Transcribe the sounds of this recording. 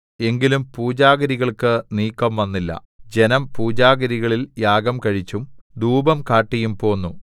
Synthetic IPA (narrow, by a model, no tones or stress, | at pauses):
e̞ŋɡilumpuːd͡ʑaːɣɐɾiɣɐɭkɨniːkːɐmʋɐnːilːɐ̰ | d͡ʑe̞nɐmpuːd͡ʑaːɡɐɾiɣɐɭiljaːɡɐmkɐɻit͡ɕːumd̪uːbɐmkaːʈːijumpo̞ːnːu